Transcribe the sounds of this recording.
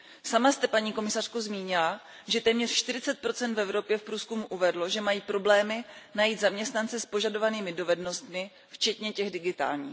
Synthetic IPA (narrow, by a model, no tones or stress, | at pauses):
samast̪ɛpaɲiːko̞mɪsar̝̥kozmiːɲɪla | ʒɛt̪ɛːmɲɛr̥ʃt̪ɪɾɪt͡sɛt̪̚pɾo̞t͡sɛnt̪vɛvɾo̞pjɛfpɾuːskumuʔuvɛdlo̞ʒɛmajiːpɾo̞blɛːmɪnajiːt̪zamɲɛst̪nant͡sɛspo̞ʒado̞vaniːmɪdo̞vɛdno̞st̪mɪ | ft͡ʃɛt̪ɲɛcɛɣdɪɡɪt̪a̰ːlɲḭː